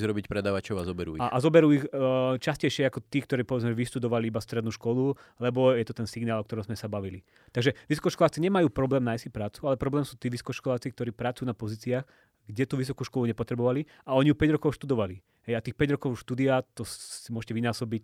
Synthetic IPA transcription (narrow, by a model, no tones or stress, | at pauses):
zɾɔbicpɾɛd̪aːʋat͡ʃɔʊazɔbɛɾṵːiaʔazɔbɛɾuːixt͡ʃascɛjʃɪɛakɔt̪iːkt̪ɔɾiːpɔʋɛd͡zmɛɛʋiʃt̪ud̪ɔʋaliibast̪ɾɛd̪nuːʃkɔlulɛbɔjɛt̪ɔt̪ɛnsiɡnaːlˠɔkt̪ɔɾɔ̃mzmɛsabaʋili | t̪aɡʒɛʋisɔ̥kɔʃkɔlaːt͡siɲɛmajuːpɾɔblɛːmnajsipɾaːt͡sualɛpɾɔblɛːmsuːt̪iːʋisɔ̥kɔʃkɔlaːt͡sik̚t̪ɔɾiːpɾat͡sujuːnapɔziːt͡siax | ɡɟɛt̪uːʋisɔkuːʃkɔluɲɛpɔt̪ɾɛbɔʋali | aɔɲijupɛɟɾɔkɔʊʃt̪ud̪ɔʋali | ɦɛjat̪iːxpɛɟɾɔkɔʊʃt̪ud̪iat̪ɔsimʊɔʒcɛʋinaːsɔbic